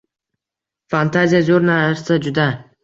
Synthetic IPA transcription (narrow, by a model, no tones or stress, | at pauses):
fant̪ʰazijazoɾnaɾsad͡ʒʊd̪a